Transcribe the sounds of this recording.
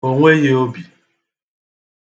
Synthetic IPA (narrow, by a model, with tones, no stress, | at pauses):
o˨ŋʷwe˦je˦o˦bi˨